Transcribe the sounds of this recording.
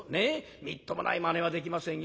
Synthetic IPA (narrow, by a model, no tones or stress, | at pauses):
ne | mʲit̪ːomo̰nʔa̰imaneβad̪e̞kʲimasẽɰ̃j